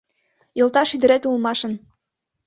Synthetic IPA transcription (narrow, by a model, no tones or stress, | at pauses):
jɤ̆lˠt̪ɑʃyd̪ɘ̆ɾet̪ulˠmɑʃɤ̆n